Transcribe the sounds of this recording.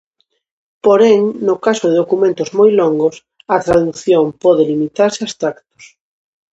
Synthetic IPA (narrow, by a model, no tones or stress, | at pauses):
poɾɛŋnʊkasoðɪðokumẽnt̪ʊzmojloŋɡʊs | ɐt̪ɾaðuθjompɔðɪlimit̪aɾsɪast̪ɾakt̪o̥s